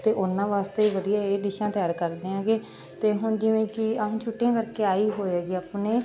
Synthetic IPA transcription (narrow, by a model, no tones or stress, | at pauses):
t̪eːʔʊnãːʋaːst̪eːiːʋəd̪ijaːeːd̪ɪʃãːt̪ɪjaːɾkəɾd̪eːãːɡeː | t̪eːɦʊɳd͡ʒɪʋẽːkɪãːt͡ʃʰʊʈːãːkəɾkeːaːiːɦoːeːɡiːaːpneː